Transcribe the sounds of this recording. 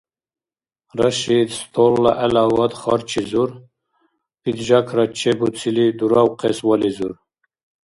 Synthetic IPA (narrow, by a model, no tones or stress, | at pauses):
ɾaʃid̪st̪ʰolːaʔɛlawad̪χɑɾt͡ʃʰizuɾ | pid̪ʒakʰɾat͡ʃʰebut͡sʰilid̪uɾawqʰeswalizuɾ